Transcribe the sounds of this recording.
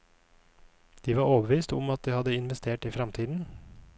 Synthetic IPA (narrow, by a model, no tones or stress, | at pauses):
d̪̥iːʋɑːɾoːbəʋiːst̪ʊmɑt̪̚d̪iːhɑd̪əɪnʋɛst̪ʰeːʈiːfɾɑmt̪ʰiːd̪n̩